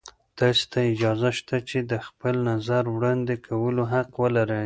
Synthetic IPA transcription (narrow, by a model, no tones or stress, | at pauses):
d̪̥ɑse̥t̪ʰaɪd͡ʒɑzaʃt̪at͡ʃed̪əxpəlnazaɾwɽɑnd̪ekʰawəloɦaqwəlaɾə